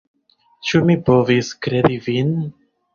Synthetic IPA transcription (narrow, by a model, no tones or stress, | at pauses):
t͡ʃumipoviskɾe̞divin